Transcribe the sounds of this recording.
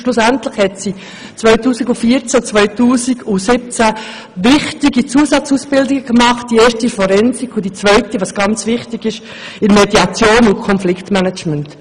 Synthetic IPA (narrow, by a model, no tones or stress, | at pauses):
ʃlʊsɛntlɪχhɛtsi | t͡svœʏtuːsiɡufiːɾt͡sæt͡svœʏtuːsiɡʊsɪp̚t͡sæ | ʋɪχtɪɡit͡suəsɑt͡suːsb̥ɪldɪɡəkmɑχtd̥ieːʃtifɔɾɛnsikʰʊd̥it͡svœʏtiʋɑsɡ̥ɑnt͡sʋɪχtɪɡɪʃ | ɪnmediɑt͡sjoːnʊntkʰɔnflɪktmɛnət͡ʃmənt